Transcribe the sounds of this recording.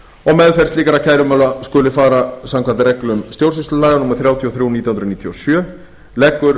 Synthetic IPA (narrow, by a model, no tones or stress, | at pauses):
ɔɣmɛðfɛrst̪liːkaɾacʰajɾʏmœːlaskʏːlɪfaːɾasamkʰvant̪ɪɾɛklʏmst̪jowrs̬ɪst̪ʏlaːjɣanumaɾ̥θɾjaːwt̪ʰiɔθɾuːwniːt̪jahnɾniːt̪ʰjɔsjœː | lɛkːʏɾ